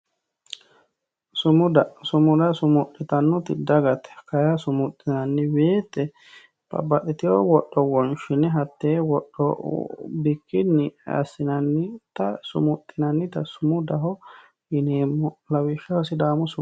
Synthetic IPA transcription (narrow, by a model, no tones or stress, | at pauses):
sʊmʊd̪ɐsʊmʊd̪ɐsʊmʊtːɪt̪ɐnːɔt̪ɪd̪ɐɡɐt̪ɛ̥kɐjɐsʊmʊt̪ʼːɪnɐnːɪweːt̪ːɛ | pɐ̰bːɐt̪ʼːɪt̪ɪjowɔɗːɔwɔnʃɪnɛɦɐt̪ːeːwɔɗːɔ̰bɪkːɪnːɪɐ̰sːɪnɐnːɪt̪ɐsʊ̰mʊt̪ʼːɪnɐnːɪt̪ɐsʊmʊd̪ɐɦɔ | ɪneːmːɔlɐwɪʃːɐhɔsɪd̪aːmɔsʊ